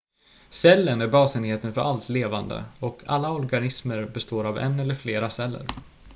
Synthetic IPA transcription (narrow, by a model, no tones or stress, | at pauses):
sɛlːənæɾbɑːsɛnheːt̪ənfœɾʔalt̪leːvand̪ə̰ɔkʰa̰lːaɔɾɡanɪsməɾbɛst̪oːɾavɛ̰nːɛlːəɾfleːɾasɛlːə̰ɾ